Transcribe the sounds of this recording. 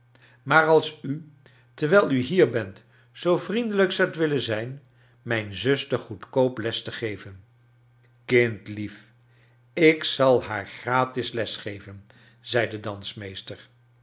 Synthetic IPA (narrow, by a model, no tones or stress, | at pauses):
maːɹɑlˠsy | təɹʋɛjlˠyɦiːɹbɛnt | z̥owvrindələksɑwətʋɪlənzɛjn | mɛjnzɵstəχutkowplɛstəχejvən | kɪntlif | ɪksɑlˠɦaːɹχraːtɪslɛsχejvən | z̥ɛjdədɑnsmejstəɹ